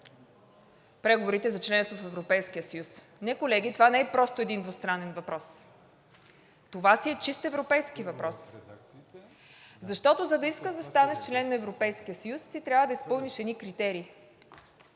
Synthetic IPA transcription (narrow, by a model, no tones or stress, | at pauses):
pɾɛɡovoɾit̪ɛzɐt͡ʃlɛnst̪vot̪ofɛvɾopɛjskijəsɐjus | nɛkolɛɡ̟it̪ovanɛɛpɾɔst̪oɛd̪ind̪vost̪ɾanɛnvɐpɾɔs | t̪ovasiɛt͡ʃist̪ɛvɾopɛjskivɐpɾɔs | zɐʃt̪ɔt̪ozɐd̪ɐiskəʒd̪ɐst̪anɛʃt͡ʃlɛnːɐɛvɾopɛjskijəsɐjusːit̪ɾʲjavəd̪ɐispɤlˠniʃɛd̪nikɾit̪ɛɾiː